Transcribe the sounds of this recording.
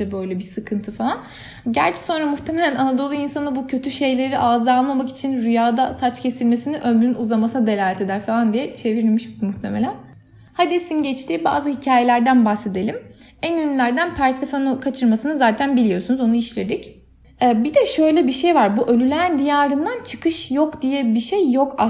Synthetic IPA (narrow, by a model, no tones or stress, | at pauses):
ɛbø̞jlʲɛbisɯkʰɯnt̪ʰɯfalˠan | ɟæɾt͡ʃʰɛ̥so̞nɾamuxt̪ʰe̞me̞lʲænanad̪o̞lˠuinsanɯbucʰø̞t̪ʰyʃe̞jlʲe̞ɾiʔaːzɯalˠmamaki̥t͡ʃʰinɾyjaːd̪asat͡ʃcʰe̞silʲme̞siniʔømlynuzamasɯnad̪e̞lʲaːlʲet̪ʰe̞d̪æɾfalˠand̪ijɛt͡ʃʰe̞viɾilʲmiʃmuxt̪ʰe̞me̞lʲæn | had̪isinɟɛt͡ʃt̪ʰiːba̰ːzɯhicʰaːjelʲæɾd̪ænbaxse̞d̪e̞lʲimænynylʲæɾd̪ænpʰæɾsefonukʰat͡ʃʰɯɾmasɯnɯzaːt̪ʰænbilʲijo̞sunuzo̞nuiʃlʲe̞d̪ic | ɛːbid̪ɛʃø̞jlʲɛbiʃe̞jvaɾbuʔølʲylʲæɾd̪ijaːɾɯnd̪ant͡ʃʰɯ̥kʰɯʃjokd̪ijɛbiʃejːo̞kʰa